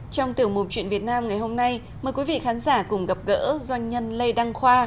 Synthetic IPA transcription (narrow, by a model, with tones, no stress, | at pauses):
t͡ɕɔ˧wŋ͡mt̪ɨ˧˩əŋmu˨˩t͡ɕwḭ˧˨nvi˨˩ət̚naː˧mŋa˨˩jho˧mna˧j | məː˨˩jkwi˨˦vḭ˧˨xaː˨˦nzaː˧˩kʊ˨˩ŋ͡mɣə˨˩p̚ɣə̰ː˧˥zwa˧jŋ̟ɲə˧nlə˧jɗa˧ŋxwaː˧